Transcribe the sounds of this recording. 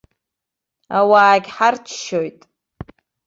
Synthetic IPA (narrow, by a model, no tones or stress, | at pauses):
awaːɡʲħart͡ʃʰʃojtʼ